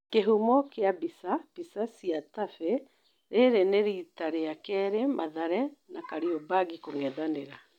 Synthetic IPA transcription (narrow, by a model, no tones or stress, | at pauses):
keɦumɔkeabisab̥isasiatafɛ | ɾeɾeneɾitaɾeakɛɾemʔaðaɾɛnakaɾiɔbaɡikoŋɛðaneɾa